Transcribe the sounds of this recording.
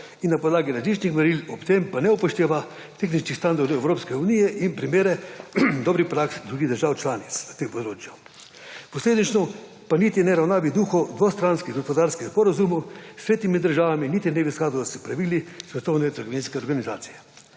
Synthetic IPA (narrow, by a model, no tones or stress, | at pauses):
inːapɔd̪laːɡiɾazliːt͡ʃnixmɛɾilɔpt̪empanɛupɔʃt̪eːʋa | t̪exnit͡ʃnist̪and̪aɾd̪ɔwɛwɾopskɛunijɛʔinpɾimeːɾɛd̪ɔːbɾixpɾaksd̪ɾuːɡid̪əɾʒaːwt͡ʃlaːnit̪snat̪empɔd̪ɾoːt͡ʃja | pɔsleːd̪nit͡ʃnɔ | panit̪ijnɛɾawnaːʋid̪uxɔd̪ʋost̪ɾanskiɣɡɔspɔd̪aɾskixspɔɾazumuseːt̪imid̪əɾʒaːʋaminit̪inɛbiskaːd̪ɔjɔsɛpɾaʋilisʋɛt̪ɔwnɛt̪əɾɡoʋiːnskɛɔɾɡanizaːt̪sijɛ